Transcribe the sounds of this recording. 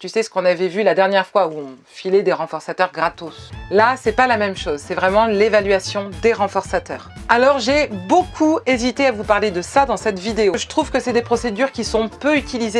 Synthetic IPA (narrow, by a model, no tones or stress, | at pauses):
t̪ysɛsə̥kɔ̃navɛvylad̪ɛʁnjɛʁfwauɔ̃ | filed̪eʁɑ̃fɔʁsat̪œʁɡʁat̪oslasɛpalamɛmʃozsɛvʁɛmɑ̃levalɥasjɔ̃d̪eʁɑ̃fɔʁsat̪œːʁalɔʁʒebokʰuezit̪eavupaʁled̪əsad̪ɑ̃sɛt̪vid̪eoʒət̪χuvkəsɛd̪epχɔsed̪yʁkʲisɔ̃pøyt̪ilize